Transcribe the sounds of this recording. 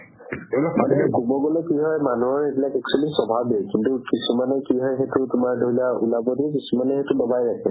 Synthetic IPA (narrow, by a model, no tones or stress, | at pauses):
adɛkubɔɡɔlɔkiɦɔjmanuɔɹetilakɛk̚t͡ʃualisɔbʱabɛkintukisumanɛkiɦɔjɦetʊtʊmaɹdʱolaulabɔdikisumanɛxetʊlɔbajɹakʰɛ